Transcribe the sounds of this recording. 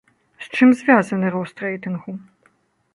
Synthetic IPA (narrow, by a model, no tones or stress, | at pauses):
st͡ʂɨmzvʲazɐnɨɾɐwst̪rɛjt̪ɨnxu